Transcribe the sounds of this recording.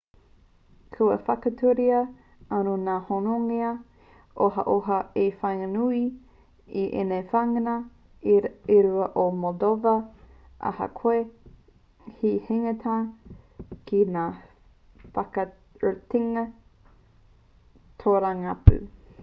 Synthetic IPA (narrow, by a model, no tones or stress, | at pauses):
kʰuɐ̰fɐkɐtʰuɾiɐ | ɐnonaːhonoŋeɐ | ʔoɦɐ̰ʔoɦɐefajŋɐnui | iʔḛnefaŋɐnɐ | iɾuɐʔomodovɐ | ʔɐ̰hɐ̰kʰoe | hiheŋetʰa | kʰinaː | fɐkɐ | utiŋɐ | tʰoɾaŋapʉ̰